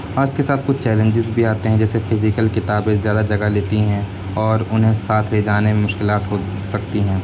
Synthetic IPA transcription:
ɔːɾɪskesaːt̪ʰkʊt͡ʃʰt͡ʃɛːlẽɲd͡ʒɪzbʱiaːt̪eɦɛ̃d͡ʒɛːsefʰɪzɪkəlkɪt̪aːbẽzjaːd̪ad͡ʒɐɡaleːt̪iɦɛ̃ | ɔːɾʊnɦẽsaːt̪ʰled͡ʒaːnemẽmʊʃkɪlaːt̪ɦo | sɐkt̪iɦɛ̃ː

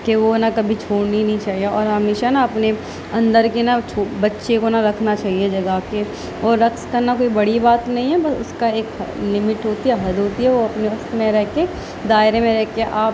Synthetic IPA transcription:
keʋonɐkɐbʱit͡ʃʰoːɽninɐɦĩt͡ʃaːɦijeɔːɾɦɐmeʃanaɐpne | ɐ̃nd̪əɾkenat͡ʃʰoːbɐtːʃekonaɾɐkʰnat͡ʃaːɦied͡ʒɐɡake | ɔːɾːɐkskɐɾnakoːibɐɽibaːt̪nɐɦĩɦɛbɐsʊ̰skaeːklɪmɪʈɦoːt̪iɦɛɦɐd̪ʱɦoːt̪iɦɛʋoɐpneʊst̪mẽɾɛɦke | d̪aːɪɾemẽɾɛɦkeʔaːp

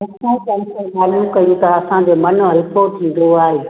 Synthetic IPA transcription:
ɐsãkɐnkemaːlumkɐjũt̪ʰaɐsãd͡ʑoːmɐn̆ɦɐlkʰot̪ʰĩːn̆d̪oaːɦeː

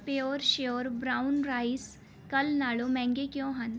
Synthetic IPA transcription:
peoːɾʃeoːɾbɾaːʊnɾaːis | kɐlnaːlomɛ̃ːŋɡekjõːɦan

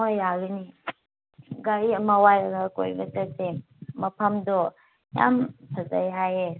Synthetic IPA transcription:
ojaɡini | ɡaɾiɐmɐwajɐɡako̰jbɐ̰tɐk̚de | mɐpʰɐmdɔ | ja̰mpʰɐza̰jɦaje

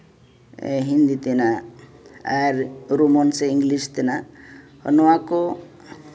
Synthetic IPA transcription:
eɦind̪it̪ena | aɾɾomɔnseiŋɡlist̪ena | hɔ̰nɔako

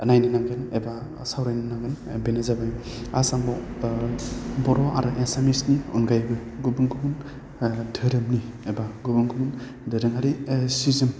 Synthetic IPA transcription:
ənajnɯnaŋɡɯneba | sawɾajnɯnaŋɡɯnbenazabaj | asaŋbɔ | bɔɾɔʔa̰ɾɯʔesamisniɔ̰nɡajbɯɡubɯŋɡumɯn | dɯɾɯmniebaɡubɯŋɡumɯn | dɯɾɯŋɦaɾisizim

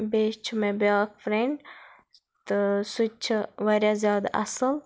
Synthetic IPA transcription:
beːʃt͡ʃʰmẽbjaːkfɾẽɳɖ | t̪ɨsut͡ʃʰʋɐɾjazʲjaːd̪aʔɐsəl

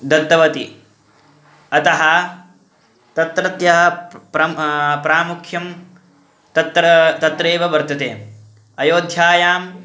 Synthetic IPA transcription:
d̪ɐt̪ːɐʋɐt̪i | ɐt̪ɐɦɐ | t̪ɐt̪ɾɐt̪jɐɦɐpɾɐpɾaːmukʰjɐm | t̪ɐt̪ɾt̪ɐt̪ɾeːʋɐʋɐɾt̪ɐt̪eːm | ɐjoːd̪ʱjaːjaːm

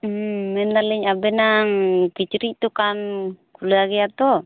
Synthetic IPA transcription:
ɛnd̪alɛɲabɛnaŋkit͡ʃɾiʔt̪ukankulaɡiat̪ɔ

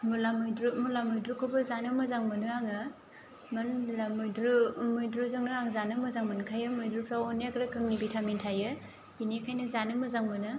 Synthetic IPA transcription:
mulamɯjdɾumulamɯjdɾukʰɯbɐzanɯmɐzaŋmɯnɯaŋɯ | mɐnlamujdɾumujdɾuzɯŋnɯaŋzanɯmɯzaŋmɯnkʰajɯmujdɾupʰɾawɔnakɾakʰɯŋnibitʰamintʰajɯ | inekʰajnɐzanɯmɯzaŋmɯnɯ

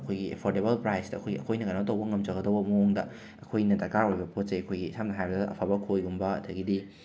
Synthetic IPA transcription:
ɐkʰojɡiḛpʰoɾdeβɐlpɾajstɐɐ̰kʰojɡiɐ̰kʰojnɐkanat̬ɐwbɐŋɐmt͡ʃɐɡɐdɐwbɐmɐoŋdɐ | ɐkʰojnɐtɐkaojbɐpʰot̚sɐjɐkʰojɡisʰamnɐɦajbɐdɐʔɐpʰabɐkʰojɡumbɐɐtʰɐɡidi

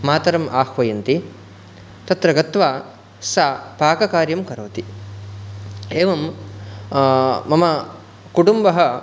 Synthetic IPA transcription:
maːt̪ɐɾɐmaːhʋɐjɐnt̪i | t̪ɐt̪ɾɐɡɐt̪ʋaː | sapaːkɐkaːɾjɐmkɐɾɐːt̪i | eːʋɐm | ɐmɐ | kuʈumbɐɦɐ

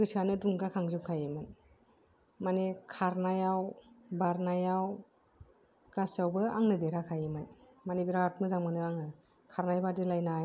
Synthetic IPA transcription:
ɡɯsanɯduŋɡakʰaŋzup̚kʰajemɯn | manekʰaɾnajawbaɾnajaw | ɡ̥asawbɯaŋnɯdeɾakʰajemɯn | manebiɾat̚mɯzaŋmɯnɯaŋɯ | kʰaɾnajbadilajna

